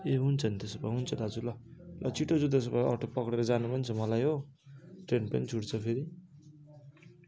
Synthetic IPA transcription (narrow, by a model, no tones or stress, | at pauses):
eɦunt͡sʰʌnt̪esbaɦunt͡sʰʌd̪ad͡zulʌlʔʌt͡siʈod͡zut̪̬esbaʌ̰ʈʰopʌkɽeɾʌd͡zanubʱʌnt͡sʰʌmʌlajɦo | ʈrenpʌnit͡sʰuʈt͡sʰʌpʰeɾi